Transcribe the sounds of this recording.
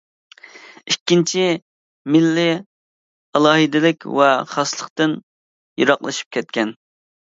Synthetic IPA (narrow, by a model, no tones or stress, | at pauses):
ikʲːint͡ʃʰi | mɪlːɪ | ɑlˠɑːɦɨd̪ɪlɪkʲvɛχɑslˠəqt̪ɨn | jo̰ɾɑqlˠɨ̰ʃi̥p̚kʲɛt̪kʲɛn